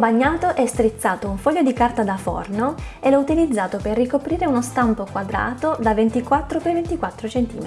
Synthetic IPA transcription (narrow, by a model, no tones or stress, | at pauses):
baɲːaːt̪oʔɛst̪ɾit̪sːaːt̪ouɱfɔʎːod̪ikart̪ad̪afɔ̰rnoelɔut̪ilid̪zːaːt̪operːikopɾiːɾeunost̪ampokwad̪ɾa̰ːt̪od̪avent̪ikwat̪ːɾopevent̪ikwat̪ːɾot͡ʃent̪ḭːme